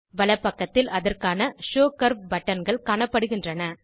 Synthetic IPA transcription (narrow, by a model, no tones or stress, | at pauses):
ʋɐɭɐpːɐkːɐt̪ːɪlɐðɐrkaːnɐʂoːkɐɾbɐʈːɐnɡɐɭkaːɳɐpːɐɽɯɣɪndrɐnɐ